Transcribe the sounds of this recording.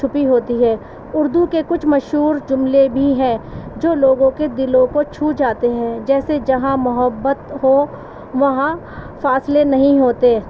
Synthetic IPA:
ʊpiɦoːt̪iɦɛː | ʊɾd̪ukekʊt͡ʃʰmɐʃɦuːɾd͡ʒʊmlebʱiɦɛ̃ːd͡ʒoːloːɡõked̪ɪlõkot͡ʃʰuːd͡ʒaːt̪eɦɛ̃ːd͡ʒɛːsed͡ʒɐɦãmʊɦəbːət̪ɦoː | ʋɐɦã | faːslenɐɦĩɦoːt̪eː

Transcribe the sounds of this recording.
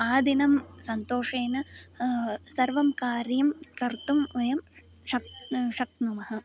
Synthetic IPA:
aːd̪inɐmsɐnt̪oːʂeːnɐ | sɐɾʋɐmkaːɾjɐmkɐɾt̪umʋɐjɐm | ʂɐkʂɐk̚t̪numɐɦɐ̆

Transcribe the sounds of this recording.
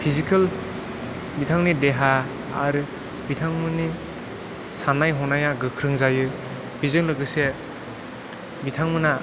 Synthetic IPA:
pʰizikʰal | bitʰaŋnideɦa | a̰ɾ | bitʰaŋmɯni | sanajɦɔnajaɡɯkʰɾɯŋzajɯ | b̥izɯŋlɯɡɯse | bitʰaŋmɯna

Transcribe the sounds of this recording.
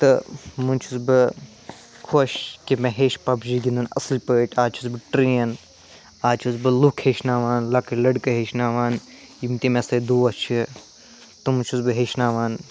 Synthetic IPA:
t̪ɨmunʲt͡ʃʰusbɨ | kʰoʃkimẽɦeːʃpɐbd͡ʒiːɡʲind̪unɐ̰slʲpəːʈaːt͡ʃʰusbɨʈɾiːɐn | aːt͡ʃʰuzbɨlukʰheːʃnaːʋaːnlɐkɐlɐɖkɐɦeːʃnaːʋaːn | jimt̪imẽsɐd̪uːɐt͡ʃʰi | t̪ɨmunt͡ʃʰuzbɨɦeːʃnaːʋaːn

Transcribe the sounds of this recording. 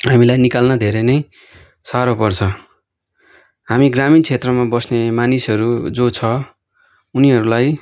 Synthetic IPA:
ɦamilajnikalnʌd̪ʱeɾʌnʌj | saɾopʌrt͡sʰʌ | ɦamiɡramint͡sʰet̪rʌmabʌsnemanisɦʌɾud͡zot͡sʰʌ | uniɦʌɾulaj

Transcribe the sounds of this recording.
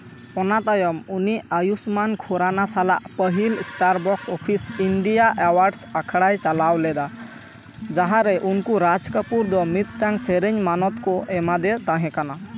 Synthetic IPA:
ɔnat̪ajɔmuniajusmankʰɔɾanasala̰ʔpəɦilsʈaɾbɔksɔpʰisiɳɖijaʔawaɾɖsakʰɽajt͡ʃalawlɛd̪a | d͡ʒaɦaɾɛʔunkuɾad͡ʒkəpuɾd̪ɔmit̪ʈaŋseɾəɲmanɔt̪kɔʔɛmad̪ɛt̪ãɦɛ̃kana

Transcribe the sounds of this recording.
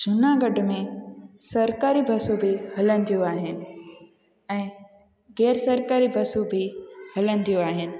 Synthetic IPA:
d͡ʑʱʊnaɡɐɖʱʊmẽsɐɾkaːɾibʱɐsubɪhɐlənɪt̪ʰijoaːɦɪnɪ̆ | ɛ̃ː | ɣɛːɾsɐɾkaːɾibʱɐsubʱɪhɐlə̃nɪ̆t̪ʰijoaːɦɪnɪ̆

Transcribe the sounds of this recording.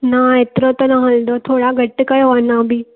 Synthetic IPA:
naet̪ɾot̪onaɦɐld̪ot̪ʰoːɽaɡʱəʈːəkəjoʋanãbʱiː

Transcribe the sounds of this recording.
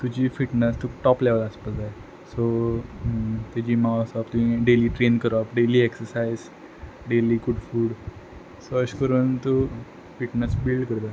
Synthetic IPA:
t̪ud͡ʑiːfiʈnəst̪ukʈɔpleʋələspəlt̪ae | so | t̪jad͡ʑiːmawsɔpt̪umiɖeliːʈɾenkəɾɔpɖeliːeksəɾsaiz | ɖeliːɡuɽfuːɽ | soəɕkəɾuːnt̪o | fiʈnəsbilɖkəɾt̪a

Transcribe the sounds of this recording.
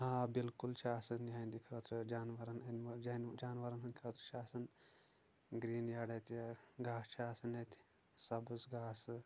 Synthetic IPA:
ɦãːbilkult͡ʃʰaːsɐnjaːind̪ikʰɐt̪ɾd͡ʒaːnʋɐɾɐnɐnʋɐd͡ʒand͡ʒaːnʋɐɾɐnɐnʲkʰɐːt̪ʰɾt͡ʃʰaːsɐn | ɡɾiːnjaːɽɐt̪ʲɡaːst͡ʃʰaːsɐnet̪ʰʲ | sɐbɨzɡaːs

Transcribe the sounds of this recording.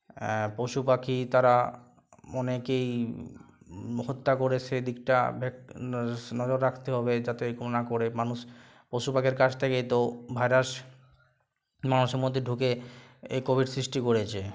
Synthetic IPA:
poʃupakʰit̪aɾa | ɔnekej | ɦot̪ːakoɾet͡ɕʰed̪ik̚ʈa̰bʱek | nɔd͡ʑoɾːakʰt̪eɦɔbed͡ʑat̪eikomnakoɾemanuʃ | poʃupakʰeɾkat͡ɕt̪ʰekejt̪obʱaeɾaʃ | manuʃeɾmod̪ʱːeɖʱukeekobʱiɖsɾiʃʈikoɾet͡ɕʰe

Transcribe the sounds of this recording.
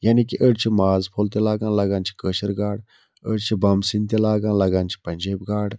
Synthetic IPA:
jaːnikiʔəɽt͡ʃʰimaːzpʰolt̪elaːɡãːnlɐɡãːnt͡ʃʰi̥kəːʃəɾɡaːɽ | əɽt͡ʃʰibɐmsint̪elaːɡãːnlɐɡãːnt͡ʃʰi̥pɐnʲd͡ʒeːbɡaːɽ

